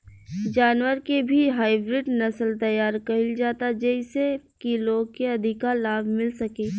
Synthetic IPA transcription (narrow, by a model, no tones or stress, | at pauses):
d͡ʒaːnwəɾkebʱiɦaːɪbɾɪɖnɐsəlt̪ɐjaːɾkɐɦɪld͡ʒaːt̪ad͡ʒɛɪsekiloːɡ̚keɐd̪ʱɪkalaːbʱmɪlsɐkeː